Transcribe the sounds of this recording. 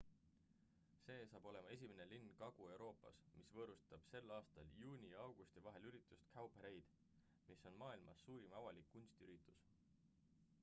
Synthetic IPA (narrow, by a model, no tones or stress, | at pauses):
se̞ːsɑːb̥o̞le̞mɑe̞sʲimenelinːkɑɡ̥ue̞wɾʔo̞ːpːˑɑ̰smisvɤːɾust̪ɑb̥se̞lːɑːst̪ɑljuːnʲiɑwɡ̥ust̪ivɑɦelyɾit̪ːˑust̪kʰɑwpeɾe̞jd̪̥ | misːo̞nmɑːilmɑsːuːɾimɑvɑlikːunst̪iyɾit̪ːˑu̥s